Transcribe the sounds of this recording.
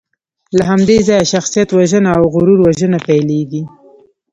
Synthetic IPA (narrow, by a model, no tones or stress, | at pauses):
laɦamd̪ezɑjaʃaxsijat̪waʒənaːwɣʊɾuɾwaʒənapajleɡi